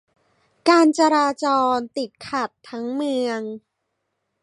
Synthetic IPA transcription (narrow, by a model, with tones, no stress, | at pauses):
kaː˧nt͡ɕa˧ɾaː˧t͡ɕɔː˧nt̪i˨˩t̪̚kʰa˨˩t̪ʰːa˦˥ŋmɯ˧əŋ